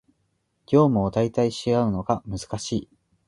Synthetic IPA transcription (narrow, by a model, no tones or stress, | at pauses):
ɡʲo̞ːmɯ̟od̪ait̪aiɕiɡaɯ̟no̞ɡamɯ̟zɨ̥kaɕiː